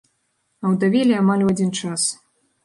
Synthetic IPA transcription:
ɐwd̪avʲilʲiamalʲuad͡zʲint͡ʂas

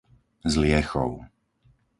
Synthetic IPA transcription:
zlɪɛxɔ̰ʊ

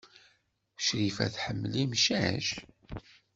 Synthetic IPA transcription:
ʃɾifæ̰θħəmːlimʃæʃ

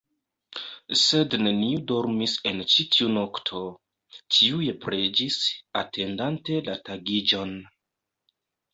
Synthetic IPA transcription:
se̞dne̞niudo̞ɾmise̞nt͡ʃitʰiuno̞ktʰo̞ | tʰiujepɾe̞d͡ʒisa̰tʰe̞ndante̞lataɡid͡ʒo̞n

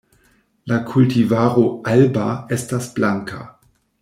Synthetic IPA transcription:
lakʰultivaːʁoʔalbaestasb̥laŋkʰa̰

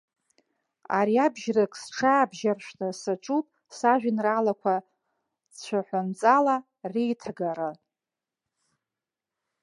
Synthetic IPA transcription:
a̰ɾiabʒrakʼsʈ͡ʂʰaːbʒarʃʷnɨsaʈ͡ʂʼupʼ | saʒʷᶣɪnralakʷʰa | t͡ʃʷʰaħʷant͡sʼala | rejtʰaɡaɾɨ

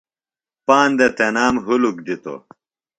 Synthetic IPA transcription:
paːnd̪et̪enaːmɦuluk̚d̪it̪o̰

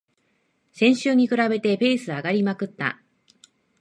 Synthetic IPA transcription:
sẽ̞ɰ̃ɕɨːɲ̟ikɯ̟ɾabe̞t̪e̞pe̞ːsɨaɡaɾʲimakɯ̟t̪ːa̰

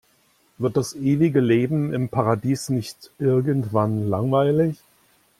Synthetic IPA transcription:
v̥ɪɐt̚d̥asʔeːvɪɡəleːbm̩ɪmpʰaʁadiːsnɪçtʔɪɐɡən̩tv̥anlaŋvaɪlɪç

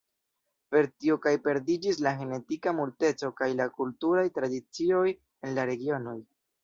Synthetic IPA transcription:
pe̞ɾtio̞kajpe̞ɾdid͡ʒis̬laxe̞ne̞tikamulte̞t͡so̞kajlakultuɾajtɾadit͡sio̞j | e̞nlaɾe̞ɡio̞no̞j

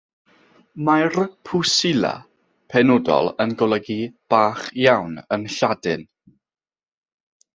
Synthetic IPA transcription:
marpʰusɪla̰ | pʰɛnɔdɔ̰lˠənɡɔlˠəɡib̥aːχjawnənɬadɪn

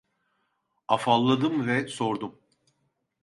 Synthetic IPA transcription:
afalˠːad̪ɯmvɛso̞ɾd̪um

